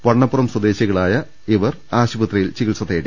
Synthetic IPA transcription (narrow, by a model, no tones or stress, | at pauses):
ʋɐɳːɐpːurɐmswɐd̪e̞ːɕjɐɣɐɭaːjɐ | iʋɐraːɕubɐt̪rɐjilt͡ɕiɣilsɐt̪ːeːɽi